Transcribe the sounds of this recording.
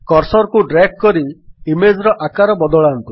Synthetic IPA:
kɔɾsɔɾkuɖɾak̚kɔɾiimed͡ʒɾɔʔakaɾɔbɔd̪ɔɭaːnt̪u

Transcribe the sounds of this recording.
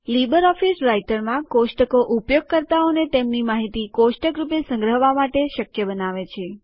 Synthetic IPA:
libəɾɔfisɾajʈəɾmãkosʈəkoʔupjoɡ̚kəɾt̪aonet̪emnimaɦit̪ikosʈəkɾupesə̃ŋɡɾəɦʋamaʈeʃəkjəbənaʋet͡ʃʰe

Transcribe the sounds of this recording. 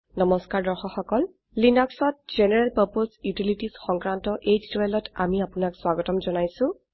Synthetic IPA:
nɔmɔskaɹdɔɹxɔxɔkɔl | linɔksɔt̚z̥enɛɹɛlpaɹposjutilitisxɔŋkɹantɔʔed͡ʒdiwɛlɔta̰miapʊnakswaɡɔtɔmzɔnajsʊ̃

